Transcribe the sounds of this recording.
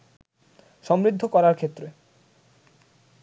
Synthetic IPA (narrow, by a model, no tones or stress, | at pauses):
ʃɔmɾid̪ʱːokɔɾaɾkʰet̪ːɾe